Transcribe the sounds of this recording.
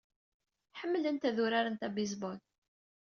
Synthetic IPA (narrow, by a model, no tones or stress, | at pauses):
ħəmːələnt̪æðuɾaɾənt̪æbiz̬bɔl